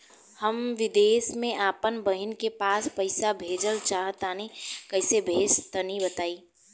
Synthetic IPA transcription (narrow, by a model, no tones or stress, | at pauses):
həmʋɪd̪eːsmẽʔaːpənbəɦɪnkepaːspəɪsabʱeːd͡ʒəlt͡ʃaːɦət̪aːnekəɦɪsebʱeːd͡ʒt̪ənibət̪aːiː